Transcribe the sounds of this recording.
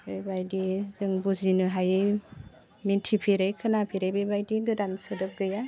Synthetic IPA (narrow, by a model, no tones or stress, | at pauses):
ɯjbajdizɯŋbuzinɯɦajɯj | mintʰipʰiɾɯjkʰɯnapʰiɾɯjbebajdiɡɯdansɯdɯp̚ɡɯja